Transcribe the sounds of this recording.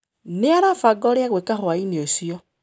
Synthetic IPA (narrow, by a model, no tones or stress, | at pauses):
neaɾafaɡɔɾeaɣwekahwaineosiɔ